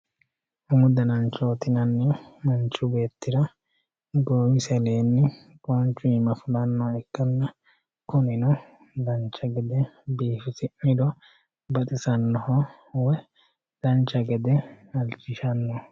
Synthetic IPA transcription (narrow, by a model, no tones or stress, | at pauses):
ʊmʊd̪ɐnɐnt͡ʃoːt̪ɪnɐnːɛmɐnt͡ʃːʊbe̞ːt̪ːɪɾɐ | ɡowɪsɛleːnːɪ | koːnt͡ʃʊmɐflɐnːɔɛkːɐnːɐ | kʊnɪnɔ | d̪ɐnt͡ʃːɐɡɛd̪ɛbiːfɪsɪʔɪd̪ɔ | bɐt̪ʼɪsɐnːɔhɔ | wɛ | d̪̥ɐnt͡ʃɐɡɛd̪ɛ | ɐlt͡ʃːɪʃɐnːɔ